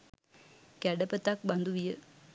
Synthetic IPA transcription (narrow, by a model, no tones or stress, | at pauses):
kæɖəpət̪ak̚band̪uʋijə